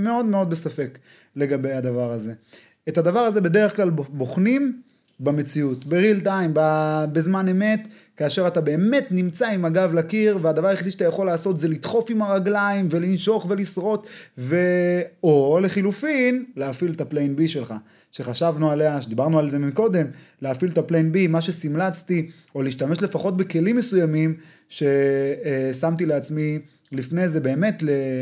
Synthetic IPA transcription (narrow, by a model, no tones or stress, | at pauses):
me̞o̞d̪me̞o̞d̪be̞safe̞k | le̞ɡabe̞jad̪avaʁaze̞ | ethad̪avaʁaze̞be̞d̪e̞ʁeχklalboχnim | bame̞t͡siutbeʁilt̪ajmbabezmane̞me̞t̪ | kaːʃe̞ʁatabe̞ːme̞tnimt͡saimaɡavlakiʁvead̪avaʁajeχid̪iʃḁt̪ajaχo̞laːso̞t̪zelit̪χo̞fimaʁaɡlaimve̞linʃo̞χve̞lisʁo̞tveole̞χilufinleafilt̪aplenbiʃe̞lχa | ʃe̞χaʃavnualeaʃed̪ibaʁnualze̞miko̞d̪e̞m | leafiltaplenbimaʃe̞simlat͡st̪i | oliːʃt̪ame̞ʃle̞faχo̞t̪̚be̞ke̞limːe̞sujamim | ʃe̞ | samt̪ileat͡smi | lifne̞ze̞beːme̞tle